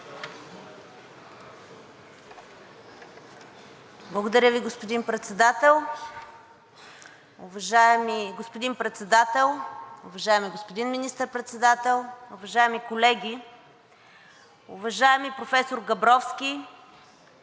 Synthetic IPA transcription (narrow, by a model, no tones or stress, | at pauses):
blˠɐɡod̪ɐɾʲəviɡospod̪inpɾɛt̪sɛd̪at̪ɛlˠ | ʊvɐʒaɛmiɡospod̪inpɾɛt̪sɛd̪at̪ɛlˠʊvɐʒaɛmiɡospod̪inminist̪əɾpɾɛt̪sɛd̪at̪ɛlˠʊvɐʒaɛmikolɛɡʲi | ʊvɐʒaɛmipɾofɛsoɾɡɐbɾɔfskʲi